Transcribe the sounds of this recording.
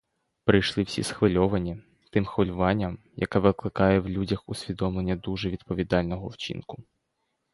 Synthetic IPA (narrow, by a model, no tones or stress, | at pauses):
pɾɪjʃlˠɪwsʲḭsxʋɪlʲɔʋɐnʲi | t̪ɪmxʋɔlʲʊʋɑnʲːɐm | jɐ̰kɛʋɪklˠɪkɑjɛwlʲudʲɐxʊsʲʋʲid̪ɔmlˠenʲːɐd̪uʒɛʋʲid̪pɔʋʲid̪ɑlʲnɔɦɔwt͡ʃḭnkʊ